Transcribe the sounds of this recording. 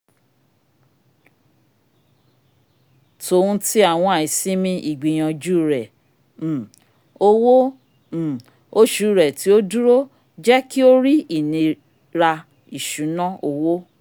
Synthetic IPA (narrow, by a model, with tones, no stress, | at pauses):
to˨ũ˧ti˦a˦˨w̃ɔ̃˧a˨i˨sĩ˦mĩ˧i˦˨ɡ͡bi˨j̃ã˧d͡ʒu˦˨ɾɛ̃˨ | o˦wõ˦˨ | o˦ʃu˨˦˨ɾɛ˨ti˨˦o˦du˦ɾo˦ | d͡ʒɛ˦ki˦o˦ɾi˦i˦˨nĩ˧ | ɾa˧ | i˨ʃu˨˦nã˦o˧wo˦